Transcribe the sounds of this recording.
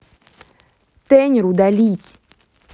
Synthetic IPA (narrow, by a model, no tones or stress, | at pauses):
t̪ɛnʲɪɾud̪alʲitʲ